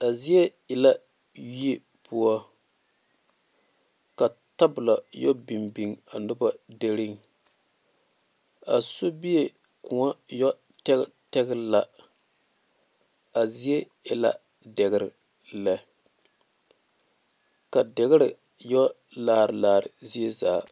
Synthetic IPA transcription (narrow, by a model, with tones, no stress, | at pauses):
a˨zi˦je˦ | ɪ˨la˦ | ɥi˦e˦ | pu˦ɔ˦ | ka˨ | ta˦bʊ˨la˨jɔ˦bi˨mbi˨ŋa˨nʊ˦ba˨de˦ɾi˦ŋ | a˨so˦bi˦je˨ | kʊ˨ŋa˦jɔ˦ | tɛ˦tɛ˦ɡɾla˦ | a˨zi˦e˦ | ɛ˨la̰˦ | dɛ˨ɣɪ˦ɾɪ̰˨ | la˨ | ka˨dɛ˨ɣɪ˦ɾɪ˨ | jɔ˦ | laː˦˨ɾɪ˨laː˨ɾɪ˨zi˦e˦zaː˨